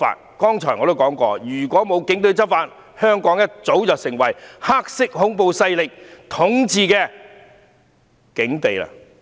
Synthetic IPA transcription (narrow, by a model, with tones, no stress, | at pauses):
fa̰ː˧t̚kɔː˥ŋt͡ʃʰɔ̰ː˨˩jŋɔː˨˧t̪o˥wkɔː˨˥ŋkɔː˧jyː˨˩kʷɔː˨˥mo˨˧wkɪ˨˥ŋt̪ɵ˧ɥt͡sɐ˥p̚faː˧t̚ | hœː˥ŋkɔː˨˥ŋjɐ˥t̚t͡so˨˥wjɐː˨w̚sɪ˨˩ŋwɐ˨˩jhaː˥k̚sɪ˥k̚ɦʊ˨˥ŋpo˨wsɐ˧jlɪ˨k̚t̪ʰʊ˨˥ŋt͡siː˧kɛː˧ | kɪ˨˥ŋt̪e˨jla̰ː˧